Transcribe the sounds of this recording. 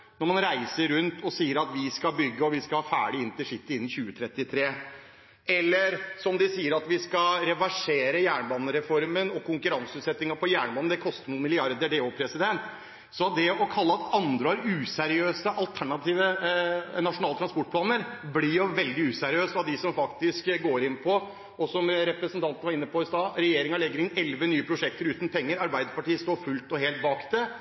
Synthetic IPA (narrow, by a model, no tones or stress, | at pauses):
nɔɾmɑnɾæɪsəɾʉnt̪ʰɔsiːəɾɑt̪ʋɪskɑbʏɡːəɔʋɪskɑlhɑːfæ̰ːɖɪɪnt̪ɪʂɪt̪ːəɪnːçʉːət̪ʰɾɛt̪ːɪt̪ʰɾeː | ɛlːəɾsɔmd̪ɪsiːəɾɑt̪ʋɪskɑɾɛʋæʂeːɾəjæːɳbɑːnːəɾɛfɔɾmənɔkʰʊŋkʉɾɑnsəʉːt̪sɛt̪ːɪŋɑpʰɔjæːɳbɑːnəd̪ɛkʰɔst̪əmumɪlɪɑɾd̪əɖeːoːpʰɾɛsɪd̪ɛnt̪ | sɔd̪ɛɔkʰɑlːəɑt̪ɑnd̪ɾəhɑɾʉːsæɾɪøːsəʔɑlt̪ʰæɳɑt̪iːʋə | nɑʂʊnɑlət̪ʰɾɑnspɔʈ̚pʰlɑːnəɾbliɑʋɛld̪ɪʉːsæɾɪøːst̪ɑʋd̪ɪsɔmfɑkt̪ɪskɡoːɾɪnːpʰɔ | ɔsɔmɾɛpɾəsənt̪ʰɑnt̪nəʋɑɾɪnːəpʰɔɪst̪ɑːɾɛjeːɾɪŋɑlɛɡːəɾɪnɛlʋənyːəpʰɾʊʂɛk̚t̪əɾʉːt̪npʰɛŋːəɾɑɾbæɪd̪əpɑʈiːəst̪oːɾfʉlt̪ɔɦeːlt̪̚bɑkd̪ɛ